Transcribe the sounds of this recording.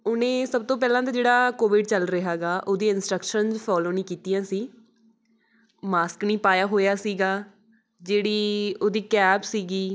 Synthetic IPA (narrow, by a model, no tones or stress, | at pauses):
ʊnẽːsəb̚t̪õːp̬ɛːlãːt̪aːd͡ʒeːɽaːkoːʋɪɖt͡ʃəlɾəɦaːɡaːʔoːd̪iːɪnsʈɾəkʃənzpʰɔːloːnĩːkiːt̪ijãːsiː | maːsknĩːpaːjaːɦoːjaːsiːɡaː | d͡ʒeːɽiːoːd̪iːkɛːpsiːɡiː